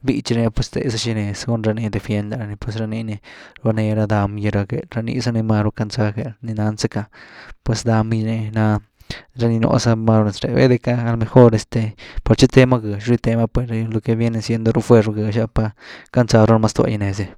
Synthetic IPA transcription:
bi˧˦t͡ʃi˧ɾne˧pwe˧st̪ḛ˧sa˧ʃi˧ne˧sɡu˦nɾa˧ni˧d̪e˧fje˧nd̪a˧ɾa˧ni˧pwe˧sɾa˧ni˧˦ne˧ɾa˧ne˧ɾa˧d̪a˧mja˧ɾa˧ɡe˧ɾa˧nḭ˧sa˧ni˧ma˧ɾo˧ka˧nt͡sa˧ke˧ni˧na˧nsa˦ka˧pwe˧sd̪a˧mjne˧na˧ | ɾa˧ni˧no̰˨˧sa˧ma˧ɾo˧ne˧˨sɾḛ˨bḛ˦d̪e˧kaː˦˧lo˧me˧xo˦ɾe˧st̪e˧pa˧ɾt͡ʃi˦t̪e˧ma˦ɡa˨ʃɾi˧t̪e˧ma˧pwe˧lo˧ke˧bje˧ne˧sje˧nd̪o˧ɾu˦fwe˧ɾɡe˧ʃa˦pa˧ka˧nt͡sa˧ɾo˦n˧ma˧st̪u˧a̰˧ja˧ne˨se˧

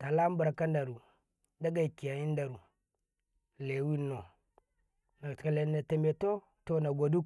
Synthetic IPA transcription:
ta˨la˦m˦ba˨ɾa˨ka˦nda˨ɾu˨ | da˦ɡa˦i˨ki˨ja˨ji˦n˦da˨ɾu˨ | le˨˦wi˦nːo˨ | na˨a˨le˨na˨te˨me˨to˦ | to˦na˨ɡʷo˨du˦k

